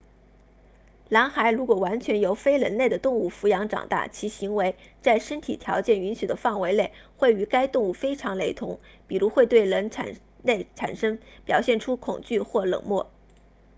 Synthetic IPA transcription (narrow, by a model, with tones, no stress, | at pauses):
la˧˥ŋxa˧˥ɪɻu˧˥kwɔ˨˩wa˧˥nt͡ɕʰɥɛ˧˥njo˧˥ʊfe˥ɪɻə˧˥nle˥˩ɪd̪ə˩t̪ʊ˥˧ŋu˥˩fu˧˥jɑ˧˥ŋʈ͡ʂɑ̰˨˩ŋt̪a̰˥˩t͡ɕʰi˧˥ɕi˧˥ŋwe˧˥ɪt͡sa˥˩ɪʂə˥nt̪ʰi˨˩t̪ʰjɑ˧˥ʊt͡ɕjɛ˥˩ny˧˥nɕy˨˩d̪ə˦fɑ˥˩ŋwe˧˥ɪle˥˩ɪxwe˥˩ɪy˧˥ka˥ɪt̪ʊ˥˧ŋu˥˩fe˥ɪʈ͡ʂʰɑ˧˥ŋle˧˥ɪt̪ʰʊ̰˧˥ŋ | pi˨˩ɻu˧˥xwe˥˧ɪt̪we˥˩ɪɻə˧˥nʰa̰˨˩ | le˥˩ɪʈ͡ʂʰa̰˨˩nʂɤ˥ŋpjɑ˨˩ʊɕjɛ˥˩nʈ͡ʂʰu˥kʰʊ̰˨˩ŋt͡ɕy˥˧xwɔ˥˩lɤ̰˨˩ŋmwɔ˥˩